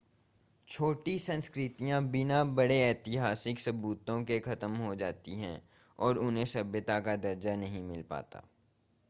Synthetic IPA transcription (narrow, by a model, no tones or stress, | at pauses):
t͡ʃʰoːʈisɐ̃nskɾɪt̪ijãbɪnabɐɽeɛːt̪ɪɦaːsɪksɐbuːt̪õkekɐt̪əmɦod͡ʒaːt̪iɦɛ̰̃ː | ɔːɾʊnɦẽsɐbjət̪akad̪ɐɾd͡ʒanɐɦĩmɪlpa̰ːt̪a̰ː